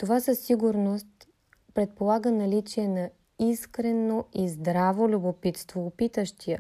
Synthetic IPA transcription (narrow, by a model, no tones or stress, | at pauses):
t̪ovasəsːiɡʊɾnost̪ | pɾɛt̪̚polˠaɡənɐlit͡ʃiɛnɐ | iskɾɛnoizd̪ɾavolʲubopit̪st̪voːpit̪əʃt̪ʰijə